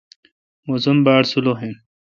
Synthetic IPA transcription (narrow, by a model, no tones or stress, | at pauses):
mozumbaːɽsuloɦen